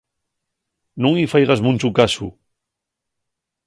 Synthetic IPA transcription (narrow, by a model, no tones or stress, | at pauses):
noŋifajɣazmunʲt͡ʃukasu